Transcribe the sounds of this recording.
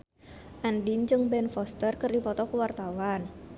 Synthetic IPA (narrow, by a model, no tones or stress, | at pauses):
ʔandind͡ʒɨŋbɛnfɔst̪ərkɨrdipɔt̪ɔkuwart̪awan